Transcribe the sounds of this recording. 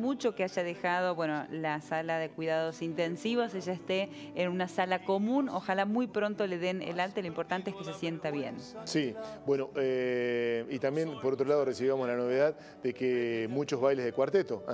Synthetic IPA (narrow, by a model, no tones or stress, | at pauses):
mut͡ʃo̞keaʒað̞exað̞o̞βwe̞nolasalaðekwiðaðo̞sint̪e̞nsiβoseʒaest̪eː | nunasalako̞mũno̰xalamujpɾo̞nt̪o̞le̞ðenḛlalt̪eloimpo̞ɾt̪ant̪eehkesesjent̪aβjensibwenoʔe | it̪ambje̞npoɾot̪ɾolaðoresiβjamoslano̞βeðað | d̪ekemut͡ʃozβajlezðekwaɾt̪et̪o